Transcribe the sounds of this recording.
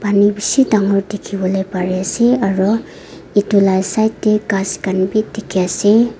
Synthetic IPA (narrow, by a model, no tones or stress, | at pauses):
b̥anibisidaŋɔɾdikʰibɔlajpaɾiaseaɾɔ | itulajsajtdekaskanbidikʰijase